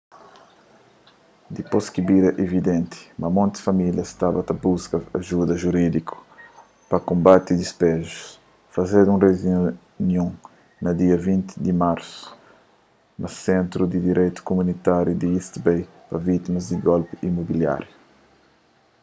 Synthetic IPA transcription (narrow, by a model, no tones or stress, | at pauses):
d̪iposkibiɾɛʔevid̪ẽnt̪i̥mɐmõnt̪sfɐmiljɐst̪abɐt̪ɐbuskɐɐʒud̪ɐʒuɾid̪iku̥ | pɐkõmbat̪id̪ispɛʒus | fɐzed̪ũrez | njũ | nɐd̪iɐvĩnt̪id̪imaɾsu̥ | nɐsẽnt̪ɾud̪id̪iɾʔejt̪u̥kumunit̪aɾjud̪iist̪bej | pɐvit̪imɐzd̪iɡolpiimobilja̰ɾju